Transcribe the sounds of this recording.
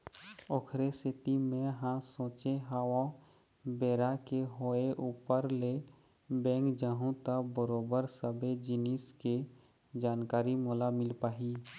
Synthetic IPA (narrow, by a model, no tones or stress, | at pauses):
oːkʰɾesɪt̪imẽɦãsõːt͡ʃeɦaːwa | beːɾakeɦoːeʔuːpəɾle | bɛ̃ːŋkd͡ʒaːɦũt̪əbəɾoːbəɾsəbed͡ʒɪniske | d͡ʒaːnkaːɾimoːlamɪlpaːɦi